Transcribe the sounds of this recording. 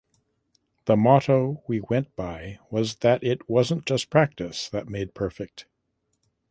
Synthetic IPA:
ðəmɑɾoʊwiwɛ̃nb̥aɪwʌzðɨɾɪt̚wʌzə̃nd̥ʒ̥ʌspʰɹ̥æk̚tɨsðɨt̚meɪd̚pʰɜ˞fɪk̚t

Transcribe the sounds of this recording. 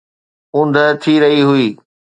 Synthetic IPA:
ʊ̃nd̪ʱət̪ʰiɾɐɦiɦʊiː

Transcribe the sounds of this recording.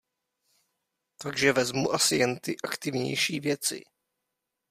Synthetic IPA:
t̪aɡʒɛvɛzmuʔasɪjɛnt̪ɪʔakt̪ɪvɲɛ̰jʃiːvjɛt͡sɪ̰

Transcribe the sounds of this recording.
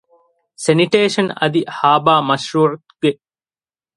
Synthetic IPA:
seniʈeːʃɐnɐ̰d̪ihaːbaːmɐʃɾuːʕut̪ɡ̥e

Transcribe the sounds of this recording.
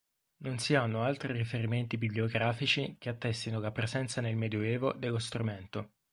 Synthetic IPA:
nonsianːoalt̪ɾirifeɾiment̪ibiblioɡɾaːfit͡ʃik̟eat̪ːɛst̪inolapːɾezɛnt̪sanelmed̪joɛːvod̪elːost̪ɾumɛnt̪o

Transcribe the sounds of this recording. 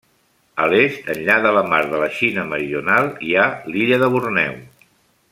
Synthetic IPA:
əlest̪ənʎaðələmaɾðələʃinəməɾiunalˠialiʎəðəβ̞urnɛ̰w

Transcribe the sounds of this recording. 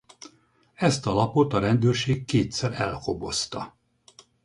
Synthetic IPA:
ɛst̪ɒlɒpo̞t̪ɒɾɛnd̪øːrʃeːkːeːt̪sɛɾɛlho̞bo̞st̪ɒ

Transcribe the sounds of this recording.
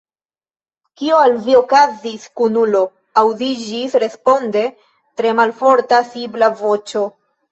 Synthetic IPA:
kioalvio̞kaziskunulo̞ | awdid͡ʒisɾe̞spo̞nde̞ | tɾe̞malfo̞ɾtasiblavo̞t͡ʃo̞

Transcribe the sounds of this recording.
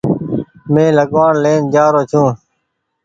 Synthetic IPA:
mẽːləɠʋaːɳleːnd͡ʒaːɾoːt͡ʃʰũː

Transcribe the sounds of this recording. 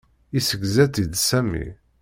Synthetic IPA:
isəɡzæt̪id̪sæmḭ

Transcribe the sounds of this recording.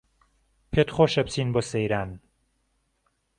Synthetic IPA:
pʰet̪χoːʃɐp̚t͡siːnboːsejɾaːn

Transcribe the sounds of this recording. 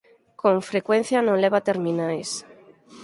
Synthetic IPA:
kõɱfɾekwen̟θjanõŋleβat̪eɾminajs

